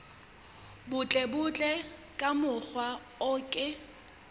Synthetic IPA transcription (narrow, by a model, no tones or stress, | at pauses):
bʊt͡ɬʼɛbʊt͡ɬʼɛ | kʼamʊk͡xwa | ɔːkʼɪ